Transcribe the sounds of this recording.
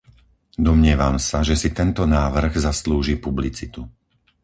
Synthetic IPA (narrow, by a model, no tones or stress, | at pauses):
d̪ɔmɲɪɛʋamsaʒɛsit̪ɛnt̪ɔnaːʋr̩ɣzasluːʒiːpublit͡sit̪u